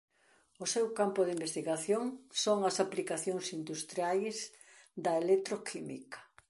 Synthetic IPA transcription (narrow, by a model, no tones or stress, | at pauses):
ʊsewkampʊðimbest̪iɣaθjoŋsoŋɐsaplikaθjoŋsind̪ust̪ɾjajs | d̪ɐelet̪ɾokʰimḭkɐ̥